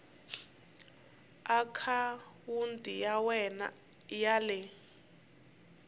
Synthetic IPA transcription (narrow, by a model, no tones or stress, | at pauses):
akʰawundʼijawɛna̰ | jalɛ